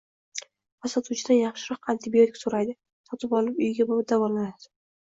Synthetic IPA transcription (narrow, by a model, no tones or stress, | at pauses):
vasɒt̪ʰut͡ʃʰɪd̪anjɑχʃɪɾɒqʰant̪ʰɪbio̞t̪ɪkʲsoɾajd̪ɪ | sɒt̪ʰɪpɒlˠɪpʊjɪɡʲabobd̪avɒllanad̪̥ɪ̥